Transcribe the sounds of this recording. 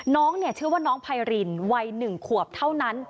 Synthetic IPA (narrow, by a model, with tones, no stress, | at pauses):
nɔː˦˥ŋni˥˩ət͡ɕʰɯ˥˩waː˥˩nɔː˦˥ŋpʰa˧jɾi˧nwa˧jnɯ˨˩ŋkʰu˨˩əp̚t̪ʰa˥˩wna˦˥n